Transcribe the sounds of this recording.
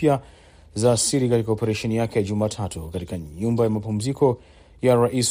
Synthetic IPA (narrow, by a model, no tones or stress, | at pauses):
ja | zaːsiɾikatikaopɛɾaʃɛnijakɛjaʄumaːtʰatukatikaɲumbajamapum̩zikʰɔ | jaɾaʔis